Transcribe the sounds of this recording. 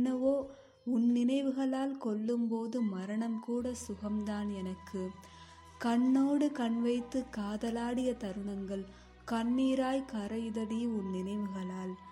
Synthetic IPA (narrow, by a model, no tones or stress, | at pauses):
nɐʋoː | ʊnnɪnɐɪʋɯɣɐɭaːlkɔɭːɯmpoːðɯmɐɾɐɳɐmkuːɽɐsʊɣɐmd̪aːnɛnɐkːɯ | kɐɳːoːɽɯkɐɳʋɐɪt̪ːɯkːaːðɐlaːɽɪjɐt̪ɐɾɯɳɐŋɡɐɭ | kɐɳːiːɾaːjkɐɾɐjɯðɐɽɪjɯʊnnɪnɐɪʋɯɣɐɭaːl